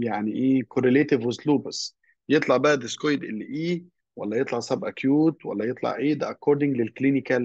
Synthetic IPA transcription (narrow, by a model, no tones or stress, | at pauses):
jaʕniʔeːkʰoɾeleːt̪ɪvwɪzluːbs | jet̪ˤlɑʕbæʔæd̪eskojd̪ʔḛlːiʔiː | wæ̰lːæjet̪ˤlɑʕsæbʔækjuːt̪wæ̰lːæjet̪ˤlɑ̰ʕʔeːd̪æʔækːoːɾd̪ɪ̃ŋɡlelkliːnɪkæl